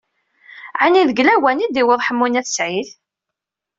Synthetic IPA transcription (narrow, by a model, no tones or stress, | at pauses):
ʕaniðəɡlæwænid̪iwəðˤħəmːunæθsʕiθ